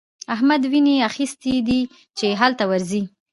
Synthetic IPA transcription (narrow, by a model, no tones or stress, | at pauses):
aɦmad̪wineaxist̪id̪i | t͡ʃeɦalt̪awaɾzi